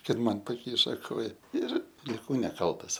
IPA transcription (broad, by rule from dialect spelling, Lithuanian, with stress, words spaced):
kɐt ˈmɐn pɐˈkʲiːʃɐ ˈkoːjɛ ɪr lʲɪˈkɐʊ nʲɛˈkɐlˠtɐs